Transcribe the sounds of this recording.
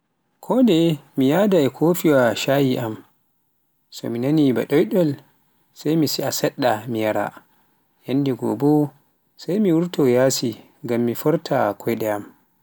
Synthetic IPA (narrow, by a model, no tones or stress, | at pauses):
kʰɔndɛmijadaɛkʰofiwaʃajiʔam | sɔ̰minaniba̰ɗɔjɗɔl | sajmisiasɛɗːamijaɾa̰ | janːdiɡɔ̰bɔ | sajmiwuɾtɔjaːsi | ŋɡamːifɔɾtʰakʰɔjɗɛam